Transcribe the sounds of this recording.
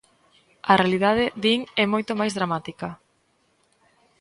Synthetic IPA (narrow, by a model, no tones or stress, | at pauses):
ɐrealiðað̞eðiŋɛmojt̪omajzðɾamat̪ikɐ